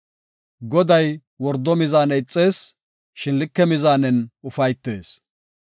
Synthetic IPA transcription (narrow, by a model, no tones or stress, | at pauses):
ɡɔd̪ɐj | wɔɾd̪ːɔmɪzaːnɛɪt͡sʼːe̞ːs | ʃɪnlɪkːɛmɪzaːnɛnʊfɐjt̪ːe̞̰ːs